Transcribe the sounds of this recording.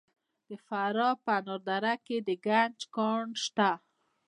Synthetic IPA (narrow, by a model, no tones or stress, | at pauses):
d̪̥əfaɾɔpanɔɾd̪aɾaked̪əɡand͡ʒkɑɳʃt̪a